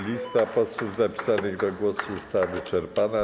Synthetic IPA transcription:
lʲist̪apɔswuvzapʲi̥sanɘɣd̪ɔɡwɔsust̪avɘt͡ʂɛɾpana

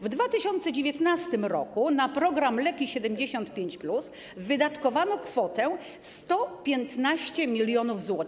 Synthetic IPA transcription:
vd̪vat̪ɘɕɔnt̪sɛd͡ʑevʲjɛt̪nast̪ɘmɾɔ̰kunapɾɔɡɾamlɛkʲiɕɛd̪ɛmd͡ʑeɕɔnt̪pʲjeɲt͡ɕplus | vɘd̪at̪kɔvanɔkfɔt̪ɛ | st̪ɔpʲjɛnt̪naɕt͡ɕɛmʲilʲjɔnuvzwɔt̪

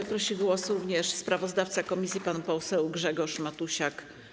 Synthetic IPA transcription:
pɾɔɕiɡwɔsɾuvɲɛʂspɾavɔzd̪aft̪sakɔmʲisʲjipanupɔsɛwɡʐɛɡɔʂmat̪uɕak

